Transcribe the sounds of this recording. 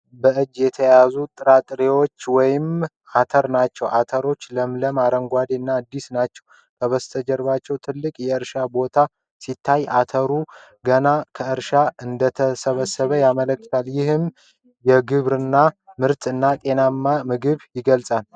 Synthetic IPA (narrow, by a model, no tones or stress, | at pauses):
bəʔɨd͡ʒːjɛt̪ʰəjazut̪ʼɨɾat̪ʼɨɾewo̞t͡ʃːwɔjɪm | ʔat̪ʰəɾnat͡ʃːɛwʔat̪ʰəɾo̞t͡ʃːləmləmaɾəŋɡʷad̪iɨnːaad̪ːisnat͡ʃːɛw | k̪ʰəβəst̪ʰəd͡ʒəɾβat͡ʃːɛwt̪ʰɨlːɨkʼjɛɨɾʃabo̞t̪ʰa | sit̪ʰːajʔa̰t̪ʰəɾu | ɡənakʰəɨɾʃaɨnd̪ət̪ʰəsəβəsːəβəjamələkʼːt̪ʰaljɪhɨm | jɛɡɨβɾɨnːamɨɾt̪ʰʼɨnːat̪ʼe̞namːamɨɡɨβjɪɡəlsʼal